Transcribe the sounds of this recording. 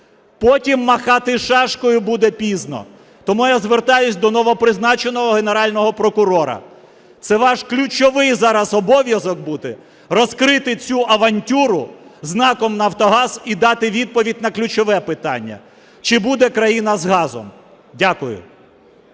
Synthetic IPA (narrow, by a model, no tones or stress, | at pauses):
pɔtʲimːɐxɑt̪ɪʃɑʃkɔjʊbud̪ɛpʲiznɔ̰ | t̪ɔmujazʋert̪ɑjʊsʲd̪ɔnɔʋɔpɾɪznɑt͡ʃenɔɦɔɦene̞ɾɑlʲnɔɦɔpɾɔkʊɾɔɾɐ̰ | t̪sɛʋɑʃklʲʊt͡ʃɔʋɪjzɑɾɐzɔbɔʋʲjɐzɔk̚but̪ɪ | rɔskɾɪt̪ɪt͡sʲuʔɐʋɐnʲtʲuɾʊznɑkɔmnɐːwt̪ɔɦɑzid̪ɑt̪ɪʋʲid̪̚pɔʋʲidʲnɐklʲʊt͡ʃɔʋɛpɪt̪ɑ̰nʲːɐ̰ | t͡ʃɪbud̪ɛkɾɐjinɐzɦɑzɔ̰m | dʲakʊjʊ̰